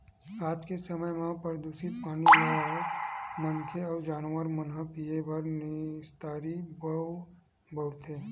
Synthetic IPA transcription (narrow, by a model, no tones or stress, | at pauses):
aːd͡ʒkesəməjʋɦãpəɾd̪uːsipaːniaa | mənkʰeɔːɾd͡ʒaːnwəɾmənɦəpiebʱɐɾnɪst̪aːɾibə | bɔɽt̪ʰẽː